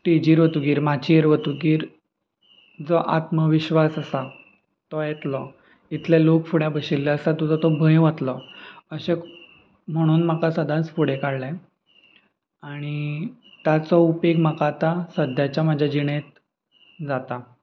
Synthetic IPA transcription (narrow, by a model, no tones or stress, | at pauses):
ʈid͡ʑiːɾʋət̪uɡiːɾmat͡ɕieɾʋət̪uɡiːɾ | d͡zɔʔat̪məʋiɕʋasasa | t̪ɔjɛt̪lɔ | it̪ʰlelokfuɽjabəɕilːɛəsat̪ud͡zɔt̪ɔbʱə̃jʋət̪lɔəɕe | m̤əɽ̃uːnm̤akasəd̪ʱãt͡sfuɽ̤ekaɽlɛ̃ | aɽ̃i | t̪jat͡sɔupeɡmakat̪asəd̪ʱjat͡ɕjamad͡ʑʱjad͡ʑiɽ̃ẽt̪̚ | d͡zat̪a